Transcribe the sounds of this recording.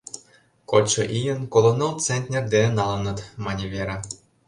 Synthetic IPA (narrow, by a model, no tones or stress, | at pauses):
kot͡ɕɤ̆ʔijə̆nkolˠonɑlˠt͡senʲt̪ʲnʲerd̪enenɑlˠɤ̆nɤ̆t̪mɑnʲeβʲeɾɑ